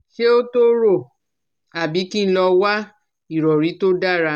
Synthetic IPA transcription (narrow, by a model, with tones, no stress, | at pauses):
ʃe˦o˦to˦ɾo˦˨ | a˨bi˨˦ki˦ñ̩˦lɔ˧wa˦ | i˨ɾɔ˨ɾi˨˦to˦da˦ɾa˧